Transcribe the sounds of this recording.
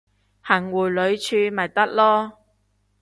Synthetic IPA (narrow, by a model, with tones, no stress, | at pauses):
hɐ˨˩ŋwuː˨˩jlɵ˨˧ɥt͡ʃʰyː˧mɐ˨˩jt̪ɐ˥k̚lɔː˥